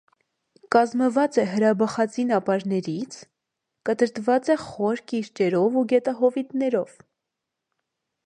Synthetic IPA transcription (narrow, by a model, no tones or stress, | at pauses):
kɑzməvɑt͡sɛɦəɾɑbɑχɑt͡sinɑpɑɾnɛɾit͡sʰ | kət̪əɾt̪vɑt͡sɛχɔɾkiɾt͡ʃɛɾɔvuɡɛt̪ɑɦɔvit̪nɛɾɔv̥